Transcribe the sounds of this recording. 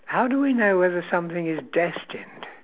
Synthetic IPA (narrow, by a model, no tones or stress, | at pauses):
haʊdəwinoʊwɛðə˞sʌ̃mθɪ̃ŋɪzdɛstɨ̃nd̥